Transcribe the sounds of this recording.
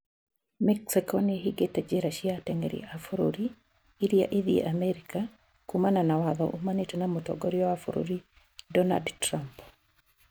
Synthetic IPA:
mɛksikɔneɦiɡetad͡ʒeɾaʃiatɛŋḛɾḭʔafoɾo̰ɾi | iɾia̰ʔiðiḛʔamɛɾika | kumananawaðɔ̰ʔumanetenamotɔ̰ɡɔɾiɔafoɾo̰ɾi | dɔna̰dtɾamp

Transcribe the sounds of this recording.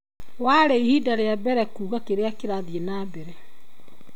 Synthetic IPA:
waɾeihiːdaɾeabɛɾɛkuːɣakeɾeakeɾaðjenaːbeɾɛ

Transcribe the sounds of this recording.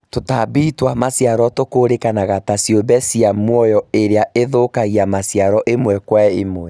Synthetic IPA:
totabiːtwamasiaɾɔtokoːɾekanaɣatasiobɛsiamwɔjɔeɾeaeðokaɣiamasjaɾɔʔemwɛkwaemwɛ

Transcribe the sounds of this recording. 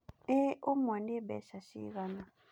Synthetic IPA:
ɛomwandibɛ̰ʃaʃḭɣana

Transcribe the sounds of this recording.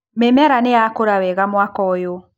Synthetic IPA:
memɛɾaneakoɾawɛɣamwakɔjo

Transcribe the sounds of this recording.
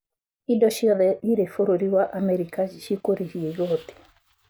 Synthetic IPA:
idɔʃiɔðɛiɾefoɾoɾiwaʔamɛɾikaʃikoɾeɾiɛjɔt̪e̥

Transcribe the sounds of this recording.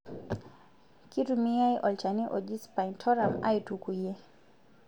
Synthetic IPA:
kitumiajʔɔlt͡ʃaniʔɔd͡ʒispaintʰɔɾama̰jtukujɛ

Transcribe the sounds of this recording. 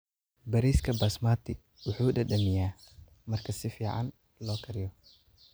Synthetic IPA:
bɐɾiːskʰɐbɐsmaːt̪ʰɪ | wʊħuːɗɐɗɐmɪjaː | mɐrkʰɐsɪfiːʕɑ̰n | lɔːkʰɐɾɪjɔ

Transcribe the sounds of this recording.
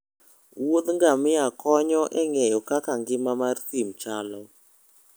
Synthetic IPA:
wod̪ŋɡamɪjakɔɲɔʔɛŋɛjɔkakaŋɡɪmamartimt͡ʃalɔ

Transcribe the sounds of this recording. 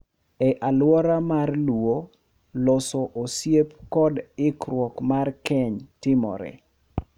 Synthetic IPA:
ɛʔalwɔɾamarlwo | lɔsɔʔosjep̚kɔdɪkɾwɔkmarkɛɲtɪmɔ̰ɾɛ̰

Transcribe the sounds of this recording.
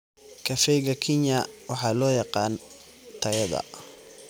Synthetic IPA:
kʰɐfɛjɣɐkʰɪɲɐwɑħɑːlɔːjɑqɑːn | t̪ʰɐɣɐðɐ̰

